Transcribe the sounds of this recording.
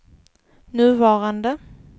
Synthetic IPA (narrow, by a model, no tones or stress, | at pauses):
nʉ̟ːvɑːɾand̪ə